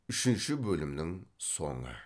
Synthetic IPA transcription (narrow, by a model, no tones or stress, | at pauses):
ʏʃɪnʃɪbɵlɪmnɪŋso̰ɴə̰